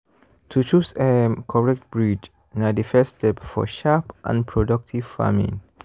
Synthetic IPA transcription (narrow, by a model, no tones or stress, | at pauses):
tʰut͡ʃusekʰɔɹɛk̚t̚bɹid͡ʒ | nadəfɛstʰɛpfɔ̰ʃapʔã̰npʰɹodak̚tʰiv̥fa̰mḭ̃ŋ